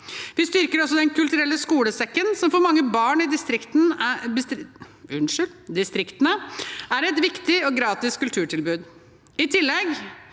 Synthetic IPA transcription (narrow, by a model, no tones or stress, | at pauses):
ʋɪst̪ʏɾkəɾɔsːɔd̪ɛnkʰʉlt̪ʉɾɛlːəskuːləsɛkːənsɔmfɔɾmɑŋːəbɑːɳɪd̪ɪst̪ɾɪkt̪n̩ɪsʉnʂʏld̪ɪst̪ɾɪkt̪ənəæɾɛt̪ʋɪkt̪ɪɔɡɾɑːt̪ɪskʉlt̪ʰʉːʈʰɪlbʉːd̪ | ɪt̪ʰɪlːɛɡ